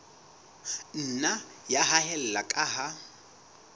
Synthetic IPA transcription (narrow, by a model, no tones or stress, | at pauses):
n̩najaɦaɦɛl̩lakʼaɦa